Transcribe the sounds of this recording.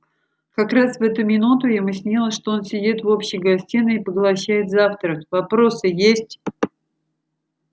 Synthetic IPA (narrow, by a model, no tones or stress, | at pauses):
kɐkɾasvɛt̪ʊmʲɪnut̪ʊjamɨsʲnʲilˠəʂt̪o̞o̞nsʲɪdʲit̪vo̞pɕːɪɡɐsʲtʲinəipəɡlˠɐɕːæjɪt̪zaft̪ɾəkvɐpɾo̞sɨjesʲtʲ